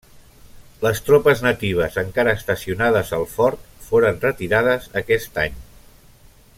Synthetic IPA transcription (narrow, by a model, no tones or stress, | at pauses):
ləst̪ɾopəznət̪iβ̞əzəŋkaɾəːst̪əsiunaðəzəlˠfɔɾt̪foɾənrət̪iɾaðəzəkɛst̪a̰ɲ